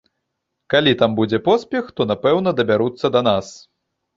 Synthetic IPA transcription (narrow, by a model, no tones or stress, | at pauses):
kalʲit̪ambud͡zʲɛpɔspʲɛxt̪ɔnapɛwn̪ɐd̪ɐbʲaɾut̪sːɐd̪ɐnas